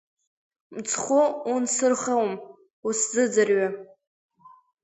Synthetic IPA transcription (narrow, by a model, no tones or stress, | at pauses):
mt͡sʰχʊunsɨrχawm | uszɨd͡zɨrɥa